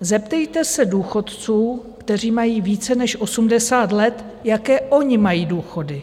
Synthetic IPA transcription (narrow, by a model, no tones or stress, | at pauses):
zɛp̚t̪ɛjt̪ɛsɛduːxo̞t̪t͡suː | kt̪ɛr̝iːmajiːviːt͡sɛnɛʃʔo̞sumdɛsaːt̪lɛt̪ | jakɛːʔo̞ɲɪmajiːduːxo̞dɪ